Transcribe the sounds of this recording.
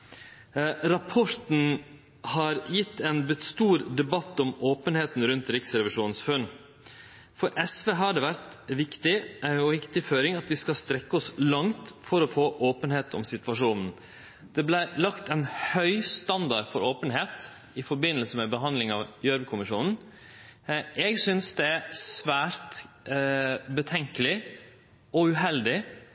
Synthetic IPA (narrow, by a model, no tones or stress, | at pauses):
ɾɑpʰɔɾt̪n̩ | hɑɾjɪt̪ːɛnbɪt̪st̪uːɾd̪ɛbɑt̪ːɔmoːpənheːt̪n̩ɾʉnt̪ɾɪksɾɛʋɪʂuːnn̩sfœn | fɔɾʔɛsʋeːɦɑɖɛʋæɾt̪ʋɪkt̪ɪɔʋɪkt̪ɪføːɾɪŋɑt̪ʋɪskɑlst̪ɾɛkːəɔslɑŋt̪fɔɾɔfoːʔoːpənheːt̪ʰɔ̰msɪt̪ʋɑʂuːnn̩ | d̪̥ɛblæɪɾlɑkt̪ɛɪnhœʏst̪ɑnd̪ɑɾfɔɾoːpənɦeːt̪ | ɪfɔɾbɪnːəlsəmɛbəɦɑnd̪lɪŋɑʋjœɾʋəkʰʊmɪʂuːnn̩ | ʔɛɡsʏnsd̪ɛæɾsʋæːɾt̪ | bət̪ʰɛŋkəlɪ | ɔʉɦɛld̪ɪ